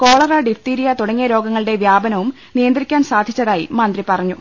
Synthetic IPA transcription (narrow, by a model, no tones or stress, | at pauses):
ko̞ːɭɐrɐɖifʈiːɾijɐt̪uɽɐŋːijɐɾo̞ːɡɐŋːɐɭiɽe̞ʋjaːbɐnɐʋum | nijɐnd̪ɾikʲːaːnsaːd̪ʱit͡ɕːɐðaːjḭmɐnd̪ripɐrɐɲːu